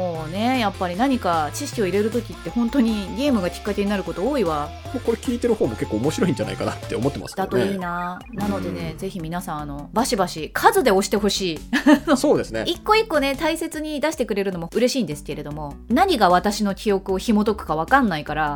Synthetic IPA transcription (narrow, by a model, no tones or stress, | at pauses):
oːne̞japːaɾʲinaɲ̟ikat͡ɕiɕi̥kʲio̞iɾe̞ɾɯ̟t̪o̞kʲit̪ːe̞hõ̞nt̪o̞ɲ̟iɡʲe̞ːmɯ̟ɡakʲi̥kːat̪e̞ɲ̟inaɾɯ̟ko̞t̪o̞oːiβa | moko̞ɾe̞kʲiːt̪e̞ɾɯ̟ho̞ːmoke̞kːoːmo̞ɕiɾo̞ĩɲ̟d͡ʒd͡ʑa̰na̰ikana̰t̪ːeomot̪ːema̰sd̪at̪oiːna | nano̞d̪e̞ne̞ze̞çimʲinasãɰ̃ano̞baɕibaɕikʰazɨd̪e̞o̞ɕi̥t̪e̞ɦo̞ɕiːnoso̞ːd̪e̞sɨnḛikːo̞ikːo̞ne̞t̪aise̞t͡sɨɲ̟id̪aɕi̥t̪e̞kɯ̟ɾe̞ɾɯ̟no̞moɯ̟ɾe̞ɕĩːnd̪e̞sɨ̥ke̞ɾe̞d̪o̞mo̞ | naɲ̟iɡaβ̞at̪aɕino̞kʲʰio̞kɯ̟o̞çimo̞d̪o̞kɯ̟̥kaβ̞akãnːaikaɾa